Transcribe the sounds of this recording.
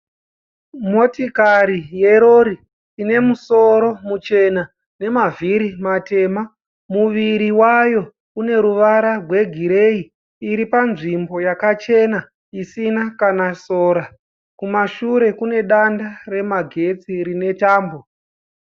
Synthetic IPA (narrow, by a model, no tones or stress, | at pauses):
mo̞tikaɾije̞ɾo̞ɾiː | ne̞muso̞ɾo̞mut͡ʃe̞na | ne̞maviɾimate̞ma | muʋiɾiwajo̞ | une̞ɾuʋaɾarwe̞ɡʱiɾe̞iː | ɾipanʐimbo̞jakat͡ʃe̞na | isinakanasoːɾa | kumaʃuɾe̞kune̞ɗandare̞maɡʱe̞t͡siɾine̞taːmbo